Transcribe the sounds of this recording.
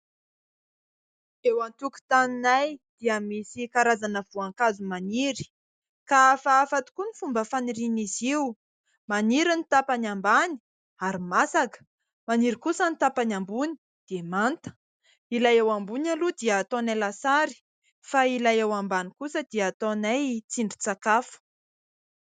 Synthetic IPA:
ewant̪uku̥t̪aninajd̪̥iəmisikaɾazanəv̥uaŋkazumaniɾi̥ | kafaːfat̪u̥kunifumbəfaniɾiniziw | maniɾinit̪apanambani̥ | aɾimasakə̥ | maniɾikusənit̪apanambuni̥ | d̪̥emant̪ə̥ | ilajewambunalud̪iːt̪onalasaɾi̥ | failajewambanikusəd̪̥iəːt̪onajt͡siɳɖ͡ʐi̥t͡sakafu̥

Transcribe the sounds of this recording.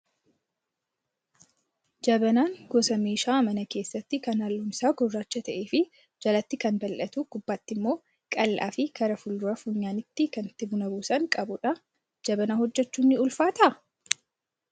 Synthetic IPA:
d͡ʒɐbɐnaːŋɡɔsɐmeːʃaːmɐnɐke̞ːsːɐt̪ːɪkɐnhɐlːunsaːɡɔrːaːt͡ʃːɐt̪ɐʔeːfɪ | d͡ʒɐlɐt̪ːɪkɐnbɐlʔɐt̪uɡʊbːaːt̪ːɪmːo̞ː | kʼɐlːa̰ːfɪkɐɾɐfʊld̪ʊɾɐfʊɲːaːnɪt̪ːɪkɐnt̪ːɪbʊnɐbuːsɐŋkʼɐbʊᶑɐ | d͡ʒɐbɐnaːhɔd͡ʒːɛt͡ʃːuːnːɪʊlfaːt̪ɐʔɐ

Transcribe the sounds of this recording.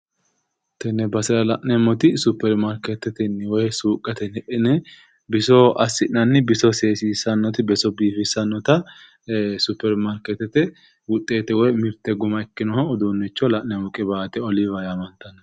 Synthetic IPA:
t̪ɛnːɛbɐsɪɾɐlɐʔnɛmɔt̪ɪsʊpːɛɾmaɾkɛt̪ɛt̪ɛnwɔjsuːkʼːɐt̪ɛnhɛʔɛnɛ | bɪsɔɐsːɪʔnɐnːɪbɪsɔseːsiːsɐnːɔt̪ɪbɛsɔbiːfɪsɐnːɔt̪ɐ | sʊpːɛɾmaɾkɛt̪ɛt̪ɛ | wʊt̪ʼːe̞ːt̪ɛwɔjmɪɾt̪ːɛɡʊmɐɛkːɪnɔhɔːd̪unːɛt͡ʃːɔlɐʔnɛmɔkʼɛbaːt̪ɛɔlɪvɐjamɐnt̪ɐnɐ

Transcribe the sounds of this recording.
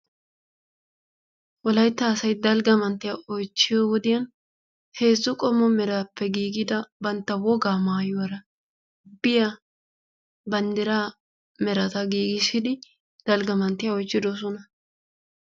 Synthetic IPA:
wɔlɐjt̪ːɐːsɐjd̪ɐlɡɐmɐnt̪ːɪjaɔjt͡ʃːɪjowɔd̪ɪjɐn | he̞ːzːʊkʼɔmɔmɛɾaːpʰːɛɡiːɡɪd̪ɐbɐnt̪ːɐwɔɡaːmaːjɔɐɾɐ | bɪja | bɐnd̪ɪɾaː | mɛɾɐt̪ɐɡiːɡɪʃɪd̪ɪ | d̪̥ɐlɡɐmɐnt̪ːɪjaɔjt͡ʃːɪd̪ɔs̬ɔnɐ

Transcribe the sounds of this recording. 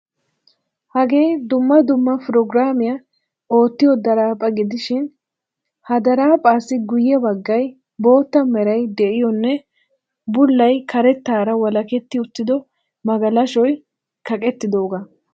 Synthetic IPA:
hɐɡe̞ːd̪ʊmːɐd̪ʊmːɐpʊɾɔɡɾaːmɪjɐ | o̞ːt̪ːɪjɔd̪ɐɾaːpʼːɐɡɪd̪ɪʃɪn | hɐd̪ɐɾaːpʼaːsːɪɡʊjːɛbɐɡːɐj | bo̞ːt̪ːɐmɛɾɐjd̪ɛʔɪjɔnːɛ | bʊlːɐjkʰɐɾɛt̪ːaːɾɐwɐlɐkɛt̪ːɪʊt̪ːɪd̪ɔ | mɐɡɐlɐʃɔj | kɐkʼɛt̪ːɪd̪o̞ːɡɐ

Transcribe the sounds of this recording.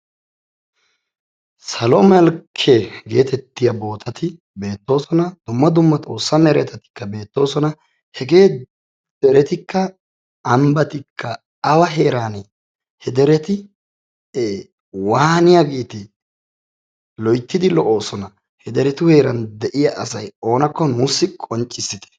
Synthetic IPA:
sɐlɔmɛlkʰːeɡe̞ːt̪ɛt̪ːɪjɐbo̞ːt̪ʰɐt̪ʰɪ | be̞ːt̪ːo̞ːsɔnɐd̪̥ʊmːɐd̪ʊmːɐt̪ʼo̞ːsːɐmɛɾɛt̪ɐt̪ɪ̥kːɐbe̞ːt̪ːo̞ːsɔnɐ | hɛɡeː | d̪̥ɛɾɛt̪ɪkːɐː | mbɐt̪ɪkʰːɐ | ɐwɐɦe̞ːɾaːnɛ | hɛd̪ɛɾɛt̪ɪ | wahhnɪjaɡiːt̪ɪ | lɔjt̪ːɪd̪ɪlɔʔo̞ːsɔnɐ | hɛd̪ɛɾɛt̪ʊhe̞ːɾɐnd̪ɛʔɪjɐʔɐsɐjo̞ːnɐkːɔnuːsːɪkʼɔnt͡ʃʼːɪsːɪt̪ɛ̥

